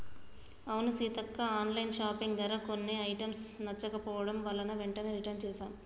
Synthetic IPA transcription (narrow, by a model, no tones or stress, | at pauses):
ɐʋunusiːt̪ɐkːɐaːnlɐjnʃaːpiŋɡd̪ɐɾɐkonːeɐjʈɐmsnɐt͡ʃːɐkɐpɔːʋɐɽɐmʋɐːlːɐnɐʋeɳʈɐneːɾiʈɐnt͡ʃɛːsaːmu